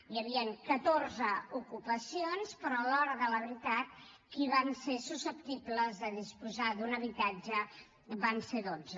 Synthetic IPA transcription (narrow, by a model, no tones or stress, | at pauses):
jəβiəŋkət̪orzəukupəsionspəɾɔlɔɾəðələβɾit̪at̪̚ | kiβansesusəp̚t̪ibləzðəðispuzad̪unəβit̪ad͡ʒə | βanseðozə